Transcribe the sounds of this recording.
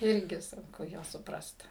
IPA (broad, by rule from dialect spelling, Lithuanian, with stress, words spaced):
ˈɪrʲɡʲɪ sʊŋˈkʊ ˈjuɔs sʊˈprɐst